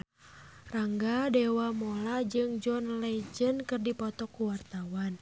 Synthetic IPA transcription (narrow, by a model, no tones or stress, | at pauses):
raŋɡadɛwamɔlad͡ʒɨŋd͡ʒɔnlɛd͡ʒənkɨrdipɔt̪ɔkːuwart̪awan